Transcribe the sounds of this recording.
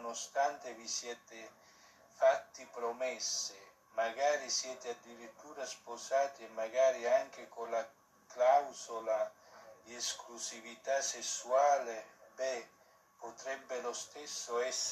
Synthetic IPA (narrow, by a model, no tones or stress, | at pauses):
nost̪ant̪evisjɛːt̪e | fat̪ːipɾomɛsːe | maɡaːɾisjɛːt̪ead̪ːiɾit̪ːuːɾaspozaːt̪iemːaɡaːɾiaŋk̟ekola | klawzola | d̪iesklusivit̪asesːuaːlebɛ | pot̪ɾɛbːelost̪ɛsːoɛsː